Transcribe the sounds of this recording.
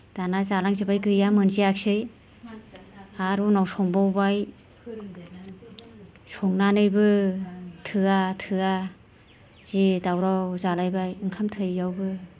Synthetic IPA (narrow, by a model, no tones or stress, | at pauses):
d̥anazalaŋzibajɡɯɾijamɯnziak̚sɯj | aɾunawsɔŋbawbaj | sɔŋnanɯjbɯ | tʰɯatʰɯa | z̥idawɾawzalajbajɯŋkʰamtʰɯjːawbɯ